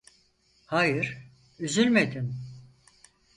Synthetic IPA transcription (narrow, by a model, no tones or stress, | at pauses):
hajɯɾ̥ | yzylʲmed̪in